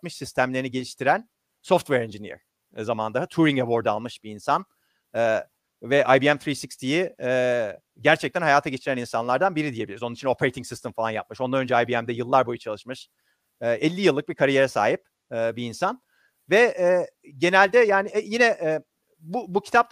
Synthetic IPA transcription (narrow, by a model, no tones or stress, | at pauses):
mɯʃsist̪ʰæmlʲeɾniɟe̞lʲiʃt̪ʰiɾæn | so̞ft̪vɛɾɛnd͡ʒinḭɾ̥ | zamand̪aɦɯt̪ʰuɾiŋɡavo̞ɾd̪alˠmɯʃbiːnsan | ɛː | vɛʔajbiɛmt̪ɾiːsikst̪ʰijiɛ | ɟæɾt͡ʃʰɛc̚t̪ʰænhajaːt̪ʰaɟe̞t͡ʃʰiɾæninsanlˠaɾd̪anbiɾid̪ije̞bilʲiɾizonunit͡ʃʰino̞pʰeejt̪ʰiŋsist̪ɛmfalˠanja̰p̚mɯʃo̞nd̪anønd͡ʒɛajbiɛmd̪ɛjɯlˠːaɾbojut͡ʃʰalˠɯʃmɯʃ | ʔɛlʲːijɯlˠːɯk̚bikʰaɾije̞ɾɛsa̰ːɦipː | biːnsan | vɛɛː | ɟe̞nælʲd̪ɛjaːniɛjinɛʔɛ | bubucʰi̥t̪ʰap̚t̪